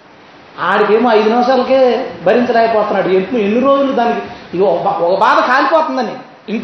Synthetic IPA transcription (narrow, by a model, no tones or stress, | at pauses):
aːɽikeːmːɐjd̪unɐmɐʃaːlɐkebʱɐɾiɲt͡ʃɐɾaːjɐpɔːt̪unːaːɽuempmuenːiɾoːd͡ʒulud̪aːnikiɔbɔkɐbaːd̪ɐkaːlipɔːt̪und̪ɐni | iŋk